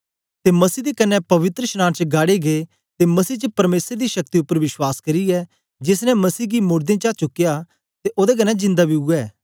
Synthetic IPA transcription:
t̪emɐsiːd̪ekɐnːɛpɐʋɪt̪ɾəʃnãːnt͡ʃəɡaːɽeɡeː | t̪emɐsiːt͡ʃəpɐɾmeːsɾed̪iʃɐk̚t̪iʊpːəɾʋɪʃwaːskɐɾiɛː | d͡ʒɪs̬nɛ̃mɐsiːɡimʊɾd̪ẽt͡ʃat͡ʃʊkːja | t̪eʔoːd̪ek̬ɐnːɛd͡ʒɪ̃nd̪abiʊɛː

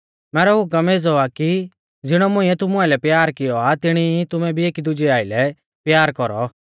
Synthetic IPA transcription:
mɛːɾɔɦʊkɐmeːd͡zɔaki | d͡zɪɽ̃ɔmʊ̃ɪ̃ɛt̪ʊmʊalɛpjaːɾkɪjɔat̪ɪɽ̃iit̪ʊmɛbʱieːkid̪ʊd͡ʒiaːilɛ | pjaːɾkɔɾɔ

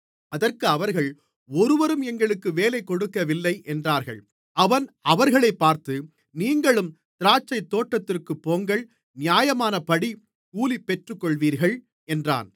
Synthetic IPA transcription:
ɐðɐrkɯɐʋɐɾɣɐɭ | ɔɾɯʋɐɾɯmɛŋɡɐɭɯkːɯʋeːlɐɪkːɔɽɯkːɐʋɪlːɐɪʔɛndraːɾɣɐ̰ɭ | ʔɐʋɐnɐʋɐɾɣɐɭɐɪpːaːɾt̪ɯ | niːŋɡɐɭɯm | t̪ɪɾaːt͡ʃːɐɪt̪ːoːʈːɐt̪ːɪrkɯpːoːŋɡɐɭ | nɪjaːjɐmaːnɐpɐɽi | kuːlipːɛʈrɯkːɔɭʋiːɾɣɐɭ | ɛndra̰ːn

